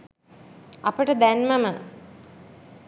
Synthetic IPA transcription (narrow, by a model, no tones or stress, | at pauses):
ɐpəʈəd̪ænməmə